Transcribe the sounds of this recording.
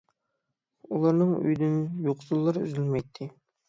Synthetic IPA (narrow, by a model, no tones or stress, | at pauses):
ulˠɑɾnɨŋy̰jd̪ynjoqsulˠːɑɾy̰zylmɛjt̪ʰːɪ